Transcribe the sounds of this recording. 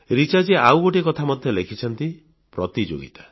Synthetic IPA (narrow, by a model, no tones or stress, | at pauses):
ɾit͡ʃaɾd͡ʒeʔawɡoʈ̬ikɔt̪ʰamɔd̪ʱjɔlekʰit͡ʃʰɔnt̪i | pɾɔt̪id͡ʒo̰ɡḭt̪ḁ